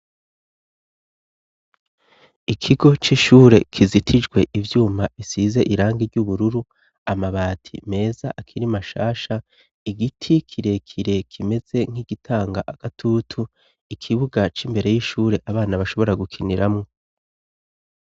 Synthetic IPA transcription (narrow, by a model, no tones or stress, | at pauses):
ikʰiɡo̞t͡ʃiʃuːɾe̞kʰizitʰid͡ʒɡwe̞ʔivjuːmaβisiːze̞ʔiɾaːŋɡiɾɟuβuɾuɾu | amaβaːtʰḭme̞ːzaʔakʰiɾimaʃaːʃa | iɡitʰikʰiɾe̞kʰiɾe̞kʰime̞z̥e̞ŋ̥hiɡitʰaːŋɡaʔaɡ̥atʰutʰu | ikʰiβuɡat͡ʃimbe̞ɾe̞jiːʃuːɾe̞ʔaβaːnaβaʃo̞βo̞ɾaɡukʰiniɾamŋo̞